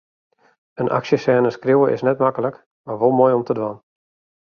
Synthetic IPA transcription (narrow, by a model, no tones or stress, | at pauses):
ənʔa̰ksjəsɛːnəskruwəʔɪ̰snɛtmakəlˠək | marʋolˠmoːjɔmtədʋan